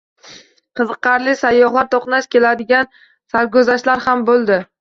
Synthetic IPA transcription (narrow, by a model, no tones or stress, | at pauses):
qʰɨzɨqːɑɾlɪsajːɒχlˠaɾt̪ʰoqnaʃkʲʰe̞lad̪ɪɡʲan | saɾɡʲɵzaʃlaɾhambolˠd̪ɪ